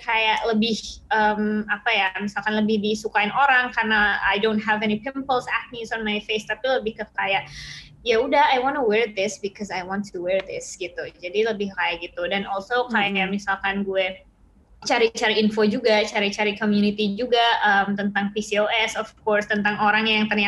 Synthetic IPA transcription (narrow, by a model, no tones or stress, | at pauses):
kajaʔləbɪhəmapajamisalkanləbɪhdisukaɪnoɾaŋkarnaa̰jdõntɦɛvɛnipɪmpəlsak̚t̚misɔnmajfest̪apiləbɪhkəkajaʔ | jaudahajwɔnuwɛɹd̪ɪsbikɔsajwɔ̃ntʰuwɛɹd̪ɪsɡit̪ud͡ʒadiləbɪhkajaʔɡit̪udɛnɔlsokajamisalkanɡuɛ | t͡ʃaɾit͡ʃaɾiːnfod͡ʒuɡat͡ʃaɾit͡ʃaɾikomjunit̪id͡ʒuɡaəmt̪ənt̪aŋpisioɛsɔfkɔrst̪ənt̪aŋoɾaŋjaŋt̪ənia